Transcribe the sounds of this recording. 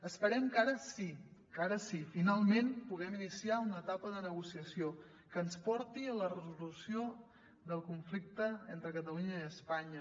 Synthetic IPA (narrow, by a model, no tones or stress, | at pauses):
əspəɾɛmkaɾəsikaɾəsifinalˠmenpuɣ̞ɛminisiaunəːt̪apəðənəɣusiəsio | kəːnspɔɾt̪iələrəzulusio | ðəlˠkuɱflik̚t̪əent̪ɾəkət̪əluɲəiəspaɲə